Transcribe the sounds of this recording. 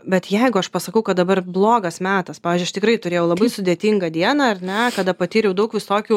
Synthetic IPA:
bʲɛt̪jɛɪɡʊɐʃpɐsɐkɐʊkɐt̪̚d̪ɐbɐrblˠoːɡɐsmʲæːt̪ɐspɑːʋʲɪːzʲd͡ʒʊɐʃt̪ʲɪkɾɐɪt̪ʊɾʲeːjɛʊlˠɐbɐɪsʊd̪ʲeːt̪ʲiŋɡɐd̪ʲiɛnɐɐɾʲnʲɛkɐd̪ɐpɐt̪ʲiːɾʲɛʊdɐʊkʋʲɪsoːkʲuː

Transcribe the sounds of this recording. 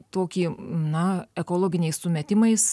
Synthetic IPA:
t̪oːkʲiːnɐɛkoːlˠoːɡʲɪnʲɛɪssʊmʲɛt̪ʲɪmɐɪs

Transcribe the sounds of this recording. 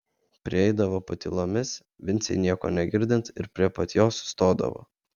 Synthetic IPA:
pʲɾʲɪɛɪd̪ɐʋoːpɐt̪ʲilˠomʲɪs | ʋʲɪnt̪sʲɛ̰ɪnʲiɛko̰ːnʲɛɡʲɪɾʲd̪ʲɪnt̪ɪɾpʲɾʲiɛpɐt̪ʲjoːsst̪oːd̪ɐ̰ʋo̰ː

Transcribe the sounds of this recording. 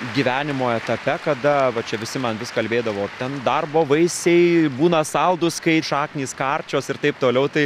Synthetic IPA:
ɡʲiːʋʲæːnʲɪmoːɛt̪ɐpʲɛkɐd̪ɐʋɐt͡ʃʲɛʋʲɪsʲɪmɐnʋʲɪskɐlʲbʲeːd̪ɐʋoːt̪ʲɛnd̪ɐrboːʋɐɪsʲɛɪbuːnɐsɐlˠd̪ʊskɐɪʃɑːknʲiːskɑrʲt͡ʃʲoːsɪrt̪ɐɪp̚t̪oːlʲɛʊt̪ɐɪ

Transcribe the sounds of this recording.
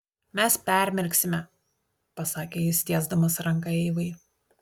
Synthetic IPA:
mʲɛspʲæˑɾʲmʲɛɾʲksʲɪmʲɛ | pɐsɑːkʲeːjɪsʲt̪ʲiɛzd̪ɐmɐsɾɐŋˑkɐɛɪʋɐɪ

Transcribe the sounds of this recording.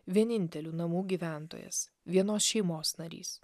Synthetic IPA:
ʋʲiɛnʲɪnʲt̪ʲɛlʲuːnɐmuːɡʲiʋʲæˑnt̪o̰ːjɛ̰s | ʋʲiɛnoːsʃʲɛɪmoːsnɐɾʲḭːs

